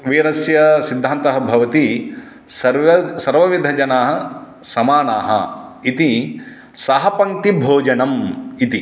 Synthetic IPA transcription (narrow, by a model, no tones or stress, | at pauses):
ʋiːɾɐsjɐsid̪ʱːaːnt̪ɐɦɐ̆bʱɐʋɐt̪i | sɐɐsɐɾʋɐʋid̪ʱɐd͡ʒɐnaːɦɐ | sɐmaːnaːɦɐ̰it̪i | sɐɦɐpɐŋt̪ibʱoːd͡ʒɐnɐmit̪i